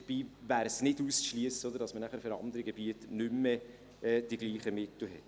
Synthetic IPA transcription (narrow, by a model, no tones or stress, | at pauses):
b̥iːvæːɾsnɪduːsʃliəsəodəɾdɑsmənæχəɾfɪɾɑ̰nd̪əɾəɡebiətnʏmːɛ | ɛːd̥iɡ̥liːχəmɪt̪l̩ɦɛt